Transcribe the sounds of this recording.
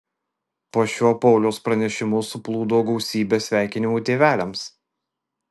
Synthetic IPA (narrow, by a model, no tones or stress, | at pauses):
poːʃʲuɔpɔʊlʲoʊspɾɐnʲɛʃʲɪmʊsʊplˠuːd̪oːɡɒʊsʲiːbʲeːsʲʋʲæˑɪkʲɪnʲɪmuːt̪ʲeːʋʲæːlʲɛms